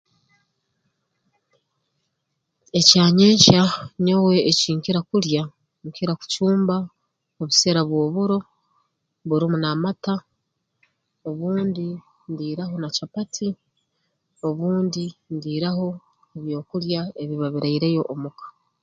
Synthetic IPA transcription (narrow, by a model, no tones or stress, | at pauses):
e̞caːɲeːɲcaɲowe̞ːciːŋkiɾakuɾja | ŋkiɾaku̥cuːmba | oβuse̞ɾaβwo̞ːβuɾo̞ | βuɾimunamata | o̞βuːndi | ndiːɾaɦo̞nacapatʰi | o̞βuːndindiːɾaho̞ | eβjo̞ːkuɾjae̞βiβaβiɾaiɾe̞jo̞ʔːmukḁ